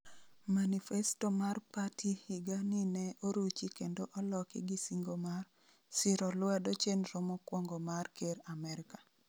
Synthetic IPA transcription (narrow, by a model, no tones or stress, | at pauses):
manifɛstomarpatʰihiɡanɪnɛoɾut͡ʃikendoʔɔlɔkɪ̰ɡisiŋɡomar | sɪɾɔlwadot͡ʃenɾɔmɔkwɔŋɡɔmarkeɾamɛɾɪkḁ